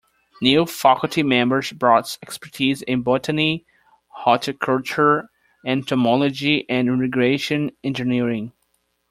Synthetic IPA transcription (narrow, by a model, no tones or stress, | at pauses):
njufakʊl̩ˠtʰimɛ̃mbə˞zbɹɔtsɛkspə˞tʰizɪ̃nbɔtəni | hɔtʰəkʰʌlˠt͡ʃəɹ | ɛ̃ntʰɔmɔlˠɔd͡ʒiʔɨ̃nɪ̃mɪɡɹeɪʃɨ̃nɛ̃nd͡ʒɨniɹɪ̃ŋ